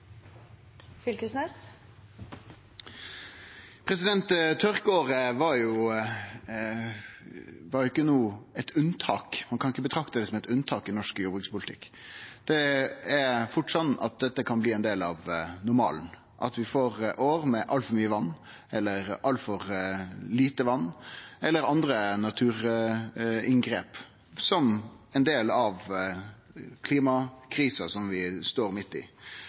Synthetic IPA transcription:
fʏlkəsnɛs | pʰɾɛsɪd̪ɛnt̪t̪ʰːœɾkoːɾəʋɑɾjʊ | ʋɑɾjʊɪkːənuːɛt̪ʰʉnt̪ʰɑːkmɑnkʰɑnɪkːəbət̪ʰɾɑkt̪əd̪ɛsɔmɛt̪ʉnt̪ʰɑːkɪnɔʂkjuːbʁɪŋspʊlɪt̪ʰɪ̰kːd̪̥ɛæɾfʊʈːsɑnːɑ̰t̪̚d̪ɛt̪ːəkʰɑnbliːɛnd̪eːlɑʋnʊɾmɑ̰ːln̩ | ʔɑ̰t̪ʋɪfoːɾʔoːɾmɛʔɑlt̪fɔɾmyːəʋɑnː | ɛlːəɾʔɑlt̪fɔɾliːt̪əʋɑnːɛlːəɾɑnd̪ɾənɑt̪ʰʉːɾ | ɪŋɡɾeːp | sɔm | ɛnd̪eːlɑʋ | kʰliːmɑkʰɾiːsɑsɔmʋɪst̪oːɾmɪt̪ːɪ̰

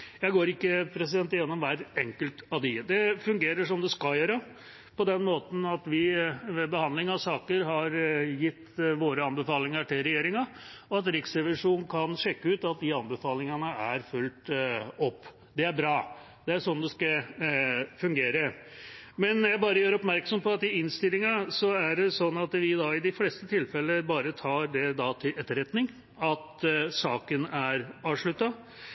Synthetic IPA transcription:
jæɪɡoːɾɪkːəpʰɾɛs̬ɪd̪ɛnt̪jɛnːɔmʋæɾɛŋkəlt̪ɑʋd̪ɪd̪ɛfʉŋɡeːɾəʂɔmd̪ɛskɑljøːɾə | pʰɔd̪ɛnmoːt̪n̩ɑt̪ʋɪʋɛbəhɑnlɪŋɑʋsɑːkəɾɦɑɾjɪt̪ːʋoːɾəɑnbəfɑːlɪŋəʈʰɪlɾɛjeːɾɪŋɑɔɑt̪ɾɪksɾɛʋɪʂuːnn̩kʰɑnʂɛkːəʉːt̪ɑt̪̚d̪ɪɑnbəfɑːlɪŋənəæɾfʉlt̪ɔpː | d̪ɛæɾbɾɑː | d̪̥ɛæɾʂɔnːd̪ɛskɑ | fʉŋɡeːɾə | mɛnjæɪbɑːɾəjøːɾɔpmæɾksɔmpɔɑt̪ɪɪnst̪ɪlːɪŋɑsɔæɖɛsɔnːɑt̪ʋɪd̪ɑɪd̪ɪfleːst̪ət̪ʰɪlfɛlːəbɑːɾət̪ʰɑːɾd̪ɛd̪ɑt̪ʰɪlʔɛt̪ːəɾɛt̪nɪŋ | ɑt̪sɑːkənæɾɑːʋʂɭʉt̪ːɑ

